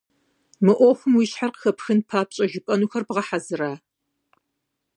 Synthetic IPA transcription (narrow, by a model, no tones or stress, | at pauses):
mɨʔʷoxʷʊmwiɕħarqə̥xɐpxɨnpʰaːpɕʼɐʒɪpʼɐnuːxɐrbʁɐħazɨɾaː